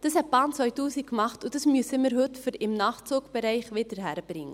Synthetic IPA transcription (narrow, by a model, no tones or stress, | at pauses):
d̥əshɛt̚b̥ɑːnt͡sʋœʏtuːsikkmɑχtud̥əsmyəsəməɾɦʉtfəɾɪmnɑːχt͡suːkb̥əɾɛɪχʋɪdəɾɦæɾəb̥rɪŋːə